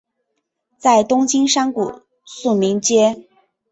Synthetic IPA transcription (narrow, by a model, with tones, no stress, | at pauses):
t͡sa˥˩ɪt̪ʊ˥ŋt͡ɕi˥ŋʂa˥nku˨˩ | su˥˩mi˧˥ŋt͡ɕjɛ˥